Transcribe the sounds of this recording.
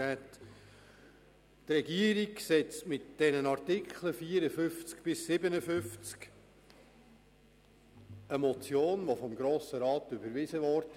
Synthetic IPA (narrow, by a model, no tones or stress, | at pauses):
ɛt | trɛɡiəɾiɡsɛt͡stmɪtd̥ɛnənɑrtɪkʰləfiːəɾəfʏft͡skb̥ɪsːɪbənəfʏft͡sk | əmɔt͡sjoːnʋofɔmɡɾoːsəɾɑːt̪ʏbəɾʋɪzəʋɔɾd